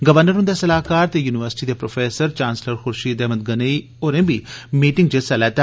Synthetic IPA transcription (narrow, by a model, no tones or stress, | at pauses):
ɡəʋəɾnəɾɦʊ̃nd̪aːsəlaːkaːɾt̪ejuːnɪʋəɾsɪ̥ʈiːd̪eːpɾoːfʰeːsəɾt͡ʃãːnsləɾxʊɾʃiːd̪ɛːɦməd̪̚ɡənəi | oːɾẽːbiːmiːʈɪ̃ŋɡ̚d͡ʒesɛlɛːt̪a